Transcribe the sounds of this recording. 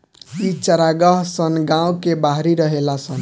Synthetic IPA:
it͡ʃʌɾaɡʌɦsʌnɡãw̃kebaɦɾiɾʌɦelasʌn

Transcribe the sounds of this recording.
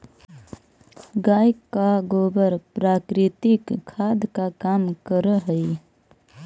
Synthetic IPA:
ɡaːjkːaɡobəɾpɾaːkɾɪt̪ɪkʰːad̪kakamkəɾəɦəj

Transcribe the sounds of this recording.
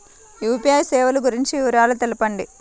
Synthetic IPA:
juːpijɐjsɛːʋɐluɡuɾiɲt͡ʃiuːɾaːlut̪elɐpɐɳɖi

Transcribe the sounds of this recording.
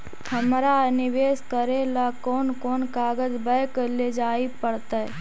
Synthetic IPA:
həmɾanɪʋeːskəɾelakoːnkoːnkaːɡəd͡ʒbəjkəleːd͡ʒaːipəɽt̪a

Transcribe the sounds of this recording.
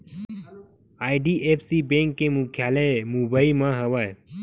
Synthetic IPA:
aːiɖiʔeːpʰsibẽŋkːemʊkʰjaːləmubaimãɦəʋae

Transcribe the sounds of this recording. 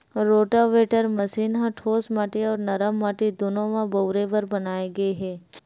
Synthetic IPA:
ɾoːʈaʋeːʈəɾmɐsiːnɦãʈʰoːsmaːʈiɔːɾnɐɾəmːaːʈid̪oːnõmãbɐʊɾeʋɐɾbɐnaːeɡɐeɦɛː

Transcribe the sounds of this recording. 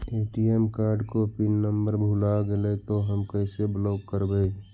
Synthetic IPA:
eːʈiɛmkaːɾɖkopɪnːəmbəɾbʱulaɡelet̪oɦəmkəɪsebloːkkəɾbe

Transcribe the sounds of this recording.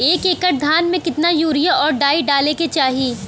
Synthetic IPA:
eːkeːkəʈ̚d̪ʱaːnmẽkɪt̪najuːɾɪjaʔɔːɾɖaːiɖaːleket͡ʃaːɦiː

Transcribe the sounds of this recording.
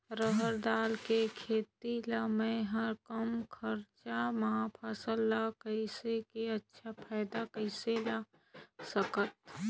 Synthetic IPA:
ɾəɦəɾd̪aːlkekʰeːt̪iləmẽɦəɾkəmkʰəɾt͡ʃamɐɦãpʰaːsəlːakəɪsekeətːʃʰapʰaːɪd̪akəɪsela | səkət̪

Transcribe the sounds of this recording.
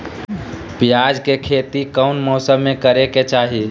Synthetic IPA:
pijad͡ʒkekʰet̪ikəʊnmɔsəmːekəɾeket͡ʃaɦi

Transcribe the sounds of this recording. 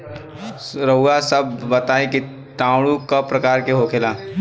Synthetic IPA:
ɾɐɦuasɐbːɐt̪aːẽki | ʈãːɽũkapɾɐkaːɾkeɦokʰelaː

